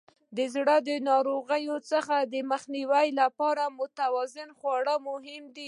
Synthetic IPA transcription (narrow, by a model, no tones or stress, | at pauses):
d̪əzɽəd̪ənɑɾoɣəjot͡səxad̪əməxniwəjlapɑɾamʊt̪awɑzɪnxwɑɽəmʊɦɪmd̪i